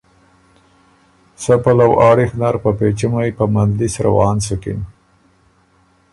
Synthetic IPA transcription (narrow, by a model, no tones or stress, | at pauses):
sapalawʔɑːɽixnaɾpapet͡ʃimajpamand̪lisɾawɑːnsukḭn